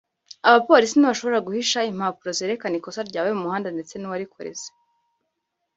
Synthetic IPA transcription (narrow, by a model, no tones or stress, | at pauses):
aβapo̞ɾis̬iniβaʃo̞βo̞ɾaɡuhiʃaim̥haːpuɾo̞zeːɾekaniko̞saɾɟaːwemumuhaːndande̞t͡se̞nuwaɾikʰoɾḛze̥